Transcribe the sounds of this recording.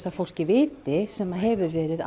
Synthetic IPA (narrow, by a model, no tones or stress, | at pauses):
t̪afowl̥cɪvɪːt̪ɪsɛmːaɦɛvʏɾvɛːɾɪða